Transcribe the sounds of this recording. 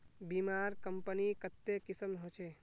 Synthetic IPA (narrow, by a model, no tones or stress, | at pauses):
bimaːɾkəmpənikət̪ːekisəmɦot͡ʃʰe